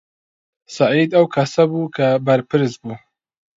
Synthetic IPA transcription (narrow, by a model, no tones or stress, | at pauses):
saʕiːd̪ɐwkʰasabuːkʰabaɾpʰɨɾzbuː